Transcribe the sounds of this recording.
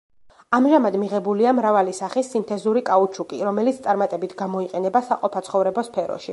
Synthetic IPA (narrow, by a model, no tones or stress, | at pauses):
amʒamad̪miʁɛbuliamɾavalisaχisːint̪ʰɛzuɾikʼaut͡ʃʰukʼiɾɔmɛlit̪st̪sʼaɾmat̪ʼɛbit̪ʰɡamɔiqʼɛnɛbasaqʼɔpʰat̪sʰχɔvɾɛbɔspʰɛɾɔ̰ʃi